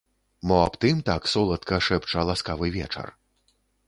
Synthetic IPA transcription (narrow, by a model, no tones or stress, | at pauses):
mɔapt̪ɨmt̪aksɔlˠɐt̪̚kɐʂɛpt͡ʂɐlˠaskavɨvʲɛ̰t͡ʂɐ̰r